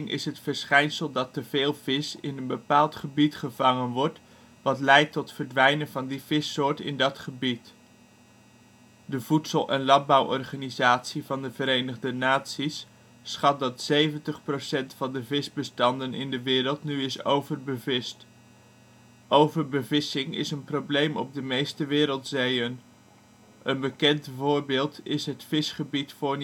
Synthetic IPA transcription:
ŋʔɪ̰sɦətfəɹsχɛjnsəlˠdɑtəv̥eːlˠv̥ɪsɪnənbəpaːlˠtχəbitχəvɑŋənʋɔɹt | ʋɑtlɛjtːɔtfəɹdʋɛjnənvɑndiv̥ɪsʊːɹtɪ̰ndɑtχəbit | dəv̥utsəlˠʔɛnlɑn̚bɑwʔɔrχaːnizaːtsivɑndəvəɾejnəχdənaːtsisː | χɑt̚dɑtsejvəntəχprosɛntfɑndəvɪzbəstɑndənɪndəʋɪːɾəlˠtnyɪsowvərbəvɪst | ʔowvərbəvɪsɪŋɪ̰sənprowblejmɔb̚dəmejstəʋɪːɾəlˠtsejən | ʔənbəkɛntvʊːɹbɪːlˠtɪsɦətfɪsχəbitfʊːɹn

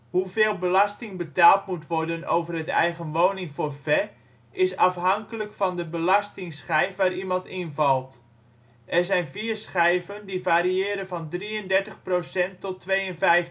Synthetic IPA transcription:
huveːlˠbəlɑstɪŋbətaːlˠtmutʋɔrdənowvərətɛ̰jɣənʋownɪŋfoːrfɛ | ʔɪsɑfɦɑŋkələkfɑndəbəlɑstɪŋsχɛjfʋaːɾimɑntɪnvɑlˠt | ʔɛrzɛjnviːrsχɛjvəndivaːɾiɪːɾənvɑndriəndɛɹtəχprowsɛntːɔtʰːʋejənvɛjf

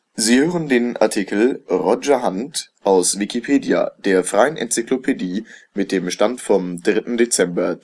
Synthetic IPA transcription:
ziːhøːʁəndeːnʔa̰ɐtʰikl̩ʁɔd͡ʒɐɦantʔaʊsv̥ikipʰeːdia̰d̥eːɐfʁ̥aɪənɛ̰nt͡siklopʰediːmɪt̚d̥eːmʃtantfɔmdʁɪtn̩det͡sɛmbɐ

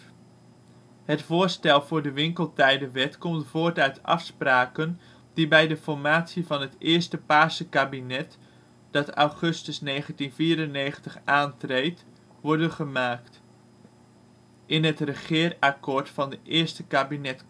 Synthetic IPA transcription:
hətfʊːɹstɛlˠvʊːɹdəʋɪŋkəlˠtɛjdəʋɛtkɔmtfoːɹtœɥtɑ̰fspraːkən | d̥ibɛjdəfɔɹmaːtsivɑnɦətɪəɹstəpaːsəkabinɛt | d̥ɑta̰wχɵstəsnejχəntinfiːɾəneːχəntəχʔaːntrejt | ʋɔɹdəχəmaːkt | ʔɪnɦətrəχɪərakoːɹtfɑndəʔɪəɹstəkabinɛt

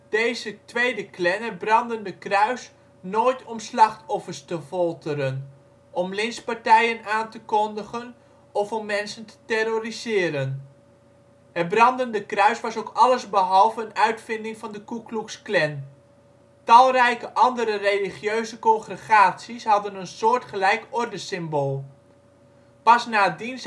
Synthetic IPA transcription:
d̥ejzətʋejdəklɛnəbrɑndəndəkrœɥs | noːjtʰɔmslɑχtɔfərstəfɔlˠtʰəɾən | ʔɔmlɪnspɑɹtɛjənaːntəkɔndəχən | ɔfɔmːɛnsəntə̥tɛrorizɪːɾən | hət̚brɑndəndəkrœɥsʋɑsokɑləzbəɦɑlˠvəənœɥtfɪndɪŋvɑndəkukluksklɛn | tɑlˠrɛjkəʔɑndəɾəreliχjøɥzəkɔŋχrəχaːtsisɦɑdənənsʊːɹtχəlɛjkɔrdəsɪmboːlˠ | pɑsnaːədins

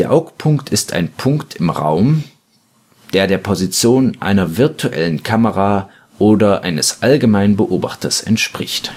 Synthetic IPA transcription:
eːɐʔaʊkpʰʊŋktʰɪstʰa̰ɪnpʰʊŋktʰɪmʁa̰ʊm | d̥eːɐdeːɐpʰozit͡sjoːnʔa̰ɪnɐvɪɐtʰuʔɛ̰lənkʰaməʁa | ʔoːdɐʔa̰ɪnəsʔalɡəmaɪnənbəʔoːba̰χtɐsɛ̰ntʃpʁ̥ɪçt

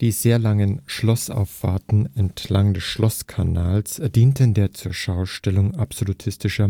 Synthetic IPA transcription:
d̥iːzeːɐlaŋənʃlɔsa̰ʊfːa̰ɐtn̩ɛntʰlaŋdɛsʃlɔskʰanaːlsd̥iːntəndeːɐt͡suːɐʃaʊʃtɛlʊŋapz̥olutʰɪstɪʃɐ

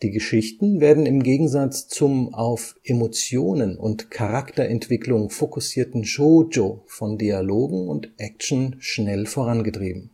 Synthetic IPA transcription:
d̥iːɡəʃɪçtn̩veːɐdn̩ɪmɡeːɡŋ̩zat͡st͡sʊmaʊfʔemot͡sjoːnənʊ̰ntkʰaʁaktɐʔɛntv̥ɪklʊŋfokʊsiːɐtn̩ʃoːd͡ʒoːfɔndialoːɡŋ̩ʊntʔɛk̚t͡ʃn̩ʃnɛlfoːʁ̞anɡətʁ̥ḭːbm̩

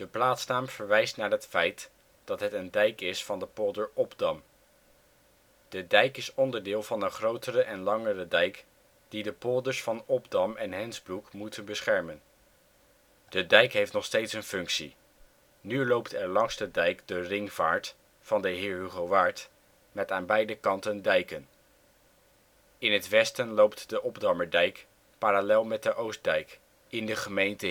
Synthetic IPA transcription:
d̥əplaːtsnaːmv̥əɹʋɛjstnaːɹɦətfɛjt | d̥ɑtɦətəndɛjkɪsfɑndəpɔdəɹɔbdɑm | d̥ədɛjkɪsɔndəɹdɪːlˠvɑnəχrowtərəʔɛnlɑŋərədɛjk | d̥idəpɔdəɹsfɑnɔbdɑmɛnɦɛnzbrukmutʰənbəsχɛɹmən | d̥ədɛjkɦejftnɔχstejtsənfɵŋksḭ | nylowptɛɹlɑŋsdədɛjkdərɪŋv̥aːɹt | fɑndəɦɪːɹɦyχoʋaːɹt | mɛtaːnbɛjdəkɑntəndɛjkən | ɪnɦətʋɛstənlowptdəʔɔbdɑməɹdɛjk | paːralɛlˠmɛt̚dəʔows̚dɛjk | ɪndəχəmejntə

